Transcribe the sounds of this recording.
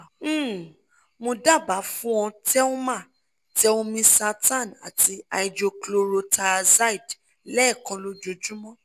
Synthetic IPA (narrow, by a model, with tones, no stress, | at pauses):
mõ˧da˦˨ba˨˦fũ˦ɔ̃˧tɛ˦ũ˦mã˦˨ | tɛ˦õ˧mĩ˧sa˧tã˦˨na̰˨ti˧a˧i˨˧d͡ʒo˧klo˧ɾo˧ta˧za˦i˨d | lɛ˦˨kɔ̃˨˧lo˨˦d͡ʒo˨˦d͡ʒu˦mɔ̃˦